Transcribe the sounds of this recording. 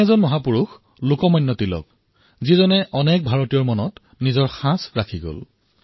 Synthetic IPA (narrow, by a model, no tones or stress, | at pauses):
ɛzɔnmɔɦapuɹux | lokɔmɔjnːɔtilɔ̰k̚ | zizɔnɛʔɔnɛk̚bʱaɹɔtijɔɹmɔnɔt | nizɔɹxãsɹakʰiɡo̰l